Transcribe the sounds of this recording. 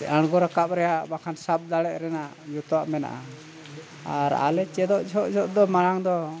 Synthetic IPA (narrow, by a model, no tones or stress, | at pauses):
aɽ̃ɡɔɾakap̚ɾɛjaʔbakʰansap̚d̪aɽɛʔ̚ɾɛnaʔ | d͡ʒut̪ɔwaʔmɛna̰ʔa | aɾa̰lɛt͡ʃɛd̪ɔʔd͡ʒʱɔʔd͡ʒʱɔʔd̪ɔmaɽaŋd̪ɔ